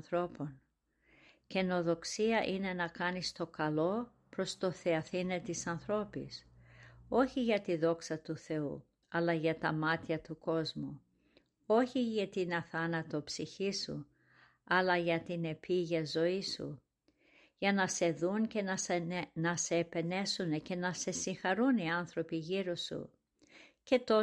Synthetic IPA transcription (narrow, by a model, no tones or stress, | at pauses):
θɾo̞po̞n | ce̞no̞ðo̞ksiɐʔine̞nɐkɐnist̪o̞kɐlo̞ | pɾo̞st̪o̞θeɐθinet̪isɐnθɾo̞pḭs | o̞çiʝɐt̪iðo̞ksɐt̪uθe̞u | ɐlɐʝɐt̪ɐmɐt̪çɐt̪uko̞zmu | o̞çiʝɐt̪inɐθɐnɐt̪o̞psiçisṵ | ɐlɐʝɐt̪ine̞pʰiʝɐzo̞isṵ | ʝɐnɐse̞ðunce̞nnɐseːpe̞ne̞sunece̞nɐse̞siŋxɐɾuniɐnθɾo̞piʝiɾosṵ | ce̞t̪o